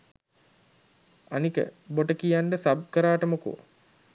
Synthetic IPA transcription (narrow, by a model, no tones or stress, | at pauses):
anikə̰boʈəkijaɳɖəsab̚kəɾaːʈəmoko̰